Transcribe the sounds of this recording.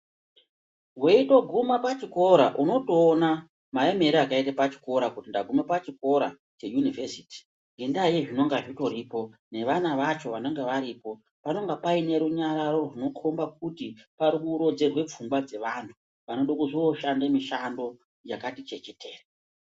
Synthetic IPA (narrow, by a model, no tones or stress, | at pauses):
rwe̞ito̞ɡʱumapat͡ʃiko̞ɾa̰ʔuno̞to̞ːna | mae̞me̞ɾiakaitapat͡ʃi̥ko̞ɾakutindaɡʱume̞pat͡ʃiko̞ɾa̰ | t͡ʃe̞junivesi̥ːti̥ | ŋɡe̞ndajeʐino̞ŋɡaʐito̞ɾipo̞ne̞ʋanaʋat͡ʃo̞ʋanoŋɡeʋaɾiːpo̞ | pano̞ŋɡapaine̞ɾuɲaɾaɾo̞runo̞kʰombak̚utipaɾikuɾo̞d͡ze̞rwe̞p͡fumɡwad͡ze̞ʋantʰu | ʋano̞ɗokuʐioʃandemiʃando̞ | jakatit͡ʃe̞t͡ʃe̞tʰe̞ːra